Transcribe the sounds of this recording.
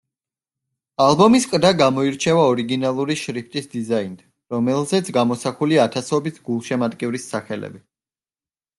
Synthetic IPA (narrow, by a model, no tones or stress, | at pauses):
alˠbɔmiskʼd̪aɡamɔiɾt͡ʃʰɛvaɔɾiɡinalˠuɾiʃɾipʰt̪ʼisd̪izaind̪ | ɾɔmɛlˠzɛt̪sʰɡamɔsaχuliaːt̪ʰasɔbisɡulˠʃɛmat̪ʼkʼivɾisːaχɛlɛ̰bi